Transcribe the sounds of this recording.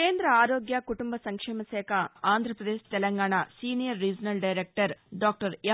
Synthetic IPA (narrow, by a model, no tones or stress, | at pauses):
eːnd̪ɾɐaːɾoːɡjakuʈumbɐsɐŋkʂɛːmɐsɛːkʰɐaːnd̪ʱɾɐpɾɐd̪eːʃt̪ɛlɐŋɡaːɳasiːnijɐɾːiːd͡ʒɐnɐlɖɐjɾek̚ʈɐɾɖaːk̚ʈɐɾ